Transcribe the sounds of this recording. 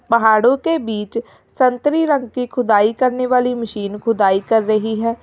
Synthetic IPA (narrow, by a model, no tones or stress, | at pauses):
pəɦaːɽõkebiːt͡ʃ | sənt̪ɾiːɾə̃ŋɡkikʰʊd̪aːikəɾneːʋaːliməʃiːnkʰʊd̪aːikəɾːəɦiɦɛː